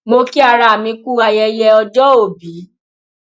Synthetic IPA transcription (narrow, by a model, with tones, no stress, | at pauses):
mo˧ki˦a˧ɾa˧˨a˨mĩ˧ku˦a˧jɛ˧jɛ˧ɔ˧d͡ʒɔ˦o˦˨bi˨˦